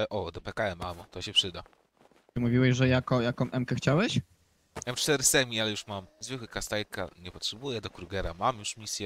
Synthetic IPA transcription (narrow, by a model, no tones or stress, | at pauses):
ɛʔɔd̪ɔpɛkaɛmamɔt̪ɔɕɛpʂɘd̪a | ɨmuvʲiwɛʑʐɛjakɔjakɔ̃mʔɛmkɛxt͡ɕawɛɕ | jamt͡ʂt̪ɛɾɘsɛmʲialɛjuʂmamzvɘkwɘkast̪ajka̰ɲɛpɔtʂɛbujɛd̪ɔkɾuɡɛɾamamjuʂmʲisʲjɛ